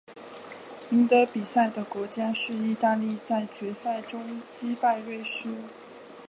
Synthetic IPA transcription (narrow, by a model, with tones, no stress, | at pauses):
i˧˥ŋt̪ɤ˧˥pi˨˩sa˥˩ɪd̪ə˩kwɔ˧˥t͡ɕja˥ʂɻ̩˥˧i˥˧t̪a˥˧li˥˧˩t͡sa˥˩ɪt͡ɕɥɛ˧˥sa˥˩ɪʈ͡ʂʊ˥ŋt͡ɕi˥pa˥˧ɪɻwe˥˩ɪʂɻ̩˥